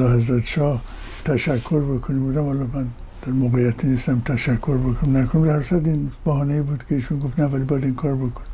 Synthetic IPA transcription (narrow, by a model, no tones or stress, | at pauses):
lɒhæzɾæt̪ʰʃɒːh | t̪ʰæʃækʰːoɾbekʰonimbod̪æmhɒlɒmæn | d̪̥æɾmoɣejæt̪ʰinist̪æmt̪ʰæʃækʰːoɾbekʰonimnækʰonimd̪æhæɾsæd̪inb̥æhɒːneibuːd̪kʰeiːʃunɡoft̪nævælibɒjæd̪inkʰɒːɾbokʰonim